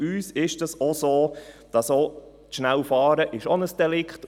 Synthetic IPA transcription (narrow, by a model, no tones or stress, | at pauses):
yːsɪʃdəsosoːd̥ɑso | tʃnælfɑːɾəʔɪʃɔnəsd̥ɛlɪkχt